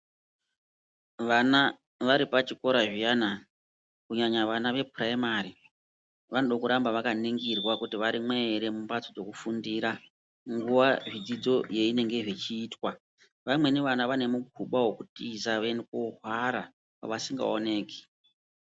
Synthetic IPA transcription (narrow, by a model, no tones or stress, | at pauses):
ʋana | ʋaɾipat͡ʃiko̞ɾaʐijana | kuɲaɲaʋanaʋe̞praimari | ʋanoɗakuɾambaʋakaniŋɡirwakutiʋaɾimwe̞ɾe̞mumbat͡sod͡zo̞kufundiːɾa | ŋɡuʋaʐid͡zid͡zo̞je̞ine̞ŋɡe̞ʐit͡ʃiːtwa | ʋamwe̞neʋanaʋane̞muɡʱuɓawokutizaʋenekoɦwaɾa | pa̰ʋasiŋɡa̰o̞ne̞ːki̥